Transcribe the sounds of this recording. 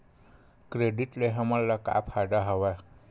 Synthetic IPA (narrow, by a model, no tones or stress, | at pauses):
kɾeɖiʈleɦʌmʌllʌka̰pʰaɖʌɦʌwa